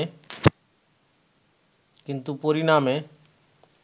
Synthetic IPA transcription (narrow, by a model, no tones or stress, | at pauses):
kint̪upoɾiname